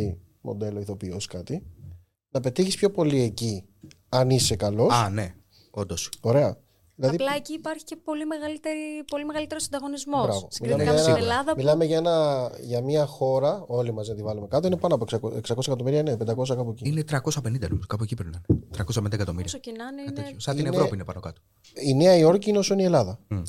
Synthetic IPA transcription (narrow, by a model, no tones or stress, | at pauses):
i | mʔo̰d̪e̞lo̞iθo̞pio̞skɐt̪i | nɐpe̞t̪içispço̞po̞lie̞ci | ɐnise̞kɐlo̞sɐne | o̞nd̪oso̞ɾe̞ɐ | ðilɐðɐiplɐeciːpɐɾçi̥cepo̞limeɣɐlit̪eɾipo̞limeɣɐlit̪eɾosɐnd̪ɐɣonizmobɾɐvvo̞milɐmeʝɐenelɐðɐmilɐme̞ʝɐe̞nɐʝɐmɲɐxo̞ɾɐo̞limɐzneɐt̪ivɐlumekɐt̪oinepɐnoɐpoeksɐkoeksɐko̞s̬ɐkɐt̪o̞miɾiɐinepend̪ɐko̞s̬ɐkɐpueciinet̪ɾɐko̞sɐpenind̪ɐno̰moskɐpuecipɾnɐnet̪ɾɐkosɐpnid̪ɐekɐt̪o̞miɾiɐsocinɐninsɐinenvopiinepɐnokɐt̪o | ine̞ɐio̞ɾciineosoinie̞lɐðɐ